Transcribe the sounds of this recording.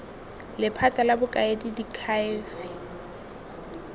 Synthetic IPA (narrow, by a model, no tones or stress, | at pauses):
lɪpʰatʼalabʊkʼaedidikʰaɪfɪ